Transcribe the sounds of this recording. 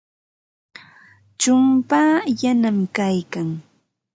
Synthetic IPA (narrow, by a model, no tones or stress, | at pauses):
t͡ʃʊmpaːjanamkajkaŋ